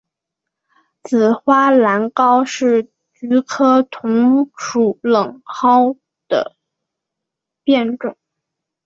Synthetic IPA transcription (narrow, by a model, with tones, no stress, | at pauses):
t͡sɹ̩˨˩xwa˥la˧˥nkɑ˥ʊʂɻ̩˥˩ | t͡ɕy˧˥kʰɤ˥t̪ʰʊ˧˥ŋʂʰu˨˩lɤ˨˩ŋxɑ˥ʊ | d̪̥ə̰˧ | pjɛ˥˧nʈ͡ʂʊ˥˩˦ŋ